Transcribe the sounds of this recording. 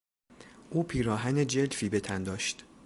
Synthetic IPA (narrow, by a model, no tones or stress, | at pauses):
ʔuːpʰiːɾɒːɦæne̞d͡ʒelfiːbe̞t̪ʰænd̪ɒːʃt̪